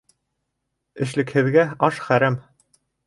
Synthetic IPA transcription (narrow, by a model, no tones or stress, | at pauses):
ɘ̆ʃlɘ̆khɘ̆ðɡæɑʃχæɾæm